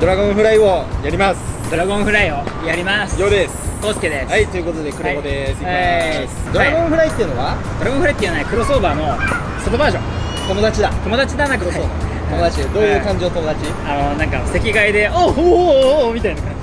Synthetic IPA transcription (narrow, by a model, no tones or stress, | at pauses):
d̪o̞ɾaɡõ̞ɰ̃ɸɯ̟ɾaiojaɾʲimasd̪oɾaɡõ̞ɰ̃ɸɯ̟ɾaio̞jaɾʲimasɨ̥joːd̪esosked̪essait̪ojɯ̟ko̞t̪o̞d̪e̞kɯ̟ɾood̪e | sd̪oɾaɡõɰ̃ɸɯ̟ɾait̪ːeiɯ̟noβad̪o̞ɾaɡõɸɯɾait̪ːeiɯanaikɯ̟ɾo̞so̞ːbaːno̞ | sobobaːʑõŋ | t̪o̞mo̞d̪at͡ɕid̪at̪o̞mo̞d̪at͡ɕid̪anakɯoaoːba̰t̪omod̪at͡ɕied̪oːjɯ̟ːkãɲ̟d͡ʑiot̪omo̞d̪at͡ɕi | anonãŋkasse̞kʲiɡaid̪e̞o | mʲit̪ainak̪